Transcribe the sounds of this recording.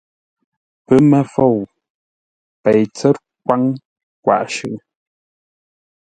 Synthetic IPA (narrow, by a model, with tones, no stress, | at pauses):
pə˦mɛ˦fo˦˨w | pe˨jt͡sɛ˦t̚ | kwa˦ŋ | kwa̰˨ʔʃʉ̰˨